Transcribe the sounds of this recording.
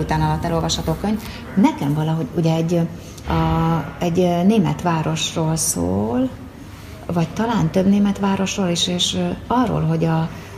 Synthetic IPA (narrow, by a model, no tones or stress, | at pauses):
ut̪aːnɒlɒt̪ːɛlo̞lvɒʃhɒt̪okːøɲv | nɛkɛɱvɒlɒɦo̞ɟuɟɛɛɟː | ɒɛɟneːmɛ̰t̪ʋaːɾo̞ʃroːlso̰ːl | vɒc̚t̪ɒlaːnt̪øbneːmɛt̪ʋaːɾo̞ʃroːliʃeːʃɒrːo̰ːlɦo̞ɟɒ